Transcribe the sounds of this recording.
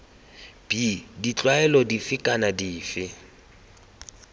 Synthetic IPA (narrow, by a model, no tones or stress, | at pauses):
b̥idit͡ɬʼwaɛlɔdifɪkʼanadiːfɪ